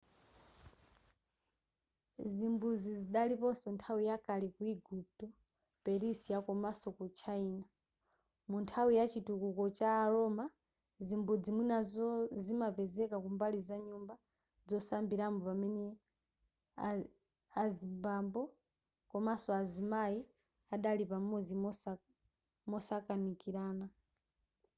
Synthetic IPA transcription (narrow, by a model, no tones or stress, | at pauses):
zimbud͡ziziɗalipɔsɔntʰawijakalikuiɡup̚tɔ | pɛɾisijakɔmasɔkut͡ʃʰaina | muntʰawijat͡ʃitukukɔt͡ʃaːɾɔma | zimbud͡zimwinazɔzimapɛzɛkakumbalizaɲumba | d͡zɔsambiɾambɔpamɛnɛ | a | azimbambɔ | kɔmasɔazimai | aɗalipamɔd͡ziɔ | mɔsakanikiɾaːna